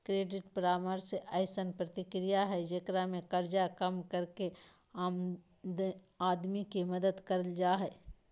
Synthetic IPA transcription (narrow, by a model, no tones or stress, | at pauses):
kɾeːɖɪʈpɾaːməɾseʔaɪsənpɾɐt̪ɪkɾijaɦɛd͡ʒɐkɾamẽkɐɾd͡ʒakɐmkɐɾke | a | aːd̪mikimɐd̪əd̪kɐɾld͡ʒaːɦɛː